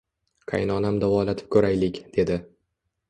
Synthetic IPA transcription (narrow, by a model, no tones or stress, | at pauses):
qʰa̰jnɒnamd̪avɒlat̪ʰɪ̥p̚kʰʲɵɾajlɪkʲd̪̥e̞d̪ɪ